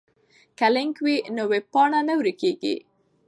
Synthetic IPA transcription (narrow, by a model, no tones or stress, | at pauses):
kalɪŋkwinoweb̚pɑɳanawɾikeɡḭ